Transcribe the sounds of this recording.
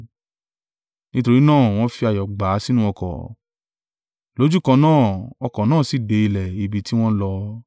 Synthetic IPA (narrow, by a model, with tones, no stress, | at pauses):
nĩ˦to˧ɾi˦nãː˦˨w̃ɔ̃˧˦fi˧a˨jɔ˨ɡ͡ba˨˦si˦nũ˦ɔ˧kɔ̰˨ | lo˨˦d͡ʒu˦˨kã˧nãː˦˨ɔ˧kɔ˨nãː˦˨si˨de˨˧i˧lɛ˨i˨bi˨˧ti˦w̃ɔ̃˦lɔ˧